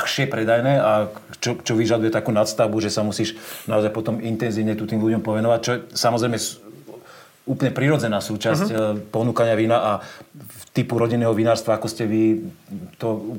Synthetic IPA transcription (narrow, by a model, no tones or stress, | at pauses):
xʃɪɛpɾɛd̪ajnɛːat͡ʃɔt͡ʃɔʋiʒad̪ujɛt̪akuːnat̪st̪aʊbuʒɛsamusiːʃnaɔzajpɔt̪ɔmint̪ɛnziːʊɲɛt̪ut̪iːmluɟɔmpɔʋɛnɔʋac̚t͡ʃɔsamɔzɾɛjmɛ | uːplɲɛpɾiɾɔd͡zɛnaːsuːt͡ʃascpɔnuːkaɲɪaʋinaʔa | t̪ipuɾɔɟinɛːɦɔʋinaːɾst̪ʋaakɔscɛʋi | t̪ɔ